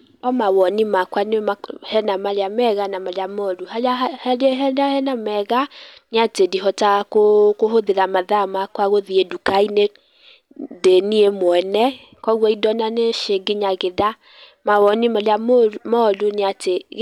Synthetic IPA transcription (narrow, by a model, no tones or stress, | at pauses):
ɔmawɔnimakwanewemahɛnamaleamɛɣanamaljamɔluhalahɛlɦɛdahɛnamɛɣaneatediɦɔtakokoɦoðeɾamaðamakwaɣoðiedukaine | deniemoɛnɛ | kɔɣwɔidɔnaneʃeɡeɲaɣeða | mawɔnimalamomɔloneateɣ